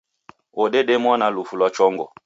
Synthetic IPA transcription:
oɗeɗemɔnalufulwat͡ʃɔŋɡɔ̰

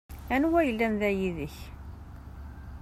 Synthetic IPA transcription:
ænwæjəlːænðæjiðəç

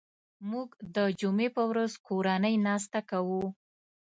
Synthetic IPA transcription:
muɡd̪əd͡ʒumepəwɾazkoɾanəjnɑs̬t̪akawu

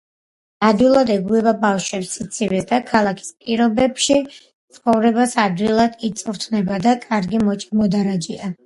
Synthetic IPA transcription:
ad̪wilˠad̪ɛɡuɛbabafʃwɛpsit̪sʰivɛsd̪akʰalˠakʰi̥spʼiɾɔbɛbʃi | t̪sʰχɔvɾɛbasad̪wilˠad̪it̪sʼuɾt̪ʰnɛbad̪akʼaɾɡimɔt͡ʃʼimɔd̪aɾad͡ʒia

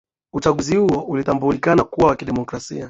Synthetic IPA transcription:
ut͡ʃaɠuzihuɔulit̪ambulikanakuawakiɗɛmɔkɾasḭa

